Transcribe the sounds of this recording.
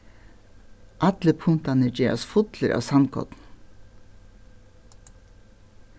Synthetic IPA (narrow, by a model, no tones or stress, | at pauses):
ʔɑt̪ləpʰʊŋt̪ɑnəd͡ʒeːɑ̰sfʊt̪ləɾʔɑ̰ːsɑnkʰɔ̰t̪n